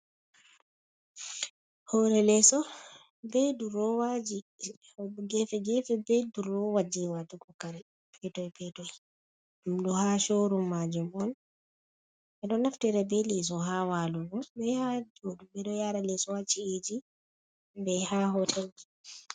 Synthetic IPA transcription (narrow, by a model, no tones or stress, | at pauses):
hɔɾɛlɛsɔ | bɛduɾɔwad͡ʒi | ɡɛfɛɡɛfɛbɛduɾɔwad͡ʒiwatukɔkaɾɛ | pʰɛtɔjpʰɛtɔj | umdɔhaʃoɾumːad͡ʒumɔn | ʔɛɗɔnaftɛɾɛbɛlɛs̬ɔɦawaluɡɔbɛhad͡ʒodumbɛɗɔjaɾalɛsɔwat͡ʃied͡ʒi | bɛhaɦɔtʰɛli